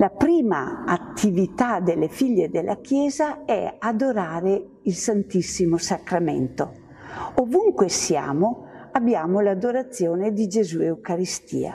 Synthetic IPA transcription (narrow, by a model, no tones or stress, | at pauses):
lapɾiːmaat̪ʰːivit̪ad̪elːefiʎːed̪elːʔakjɛːzaɛad̪oɾaːɾe | ilsant̪isːimosakɾamḛnt̪o | ovuŋkwesia̰ːmoabjaːmolad̪oɾat̪sːjoːned̪id͡ʒezueukaɾist̪ḭːa̰